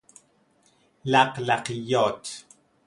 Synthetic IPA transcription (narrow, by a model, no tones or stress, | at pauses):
laqlaqijot